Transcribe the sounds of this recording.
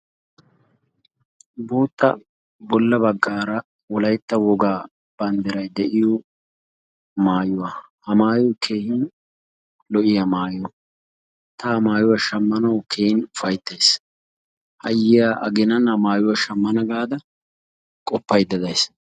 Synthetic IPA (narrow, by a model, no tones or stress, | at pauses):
buːt̪ːɐ̰ | bɔlːɐbɐɡːaːɾɐ | wɔlɐjt̪ːɐwɔɡaː | b̥ɐnd̪ɛɾɐjd̪ɛʔɪjɔ | maːjʊwɐ | hɐmaːjɔwkʰe̞ːhɪn | lɔʔɪjɐmaːjɔ | t̪ɐmaːjʊwɐʃɐmːɐnɐwkʰeːhɪnʊfɐjt̪ːɐjs | hɐjːɪjaːʔɐɡɪnɐnhɐmaːjʊwɐʃɐmːɐnɐɡaːd̪ɐ | kʼɔpːɐjd̪ɐd̪ɐjs